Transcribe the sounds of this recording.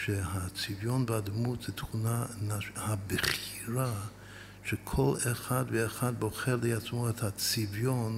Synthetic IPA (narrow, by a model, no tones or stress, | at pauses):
ʃɛhat͡sivjonbəadmutz̥ɛtχunanahabəχiɾa | ʃɛkʰoleχadvəːχad̚boχɛɾliat͡smoɛthat͡sivjon